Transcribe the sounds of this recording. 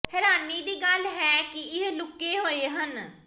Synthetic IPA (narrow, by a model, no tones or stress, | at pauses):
hɛːɾaːnːiːd̪iːɡəlɦɛːkɪɪɦlʊkːeːɦoːeːɦən